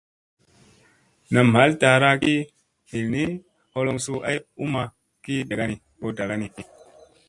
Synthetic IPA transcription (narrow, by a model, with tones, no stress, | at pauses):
na˨mha˨˦lta˨ɾa˦ki˦ | hi˨lni˦ | ho˦lo˧ŋsu˧ʔa̰˦ju˦ma˨ | ki˦da˨ɡa˦ni˨ | ko˦ta˨ɾa˦ni˨